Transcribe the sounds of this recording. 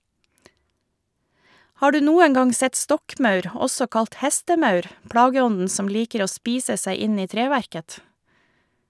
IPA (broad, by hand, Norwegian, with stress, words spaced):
ˈhɑː ˈɖʉː ˈnuːəŋ ˈɡɑŋ ˈsɛt ˈstɔkˌmɑʉɾ ˈɔsɔ ˈkɑlt ˈhɛstəˌmɑʉɾ ˈpɽɑːɡəˌɔndn̩ ˈsɔm ˈliːkəɾ ˈoː ˈspiːsə ˈsæɪ ˈɪn ˈiː ˈtɾeːʋæɾkət